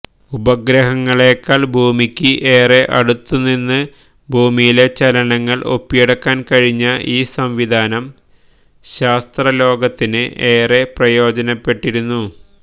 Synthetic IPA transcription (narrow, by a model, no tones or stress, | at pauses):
ubɐɡɾɐɦɐŋːɐɭe̞ːkːaːlbʱuːmikʲːɨʔeːre̞ʔɐɽut̪ːunːinːɨ | bʱuːmijile̞t͡ɕɐlɐnɐŋːɐɭʔo̞̰pːijeɽɐkːaːnkɐɻiɲːɐʔiːsɐmʋid̪ʱaːnɐm | ɕaːst̪rɐlo̞ːɡɐt̪ːinɨʔe̞ːre̞prɐjo̞ːd͡ʑɐnɐpːe̞ʈːiɾunːu